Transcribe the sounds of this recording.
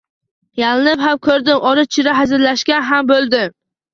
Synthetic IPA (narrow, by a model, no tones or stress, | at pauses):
jalɪnɪphamkʰɵɾd̪ɪmʔɒɾɪt͡ʃʰɪɾaɦazɪɾlaʃkʲanɦambolˠd̪ɪm